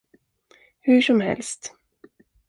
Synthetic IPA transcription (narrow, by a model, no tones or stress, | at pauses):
hɵʂɔmhɛ̰lst̪